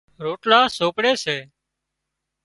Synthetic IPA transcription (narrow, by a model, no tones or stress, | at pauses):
ɾoːʈlaːsoːpɽeːseː